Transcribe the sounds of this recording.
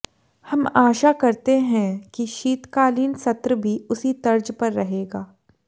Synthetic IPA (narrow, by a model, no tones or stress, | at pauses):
hɐmaːʃakɐɾt̪eɦɛ̃kiʃiːt̪kaːliːnsɐt̪ɾəbʱiʊsit̪ɐɾd͡ʒpɐɾːɐɦeːɡaː